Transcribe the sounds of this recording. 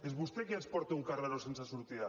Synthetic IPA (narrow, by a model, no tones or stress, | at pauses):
ezβust̪ekiespoɾt̪euŋkaraɾosensasuɾt̪ia